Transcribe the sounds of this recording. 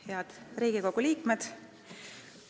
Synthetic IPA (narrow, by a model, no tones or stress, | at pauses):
heɑd̪̥riːɡ̥iko̞ɡ̥uliːkmed̪̥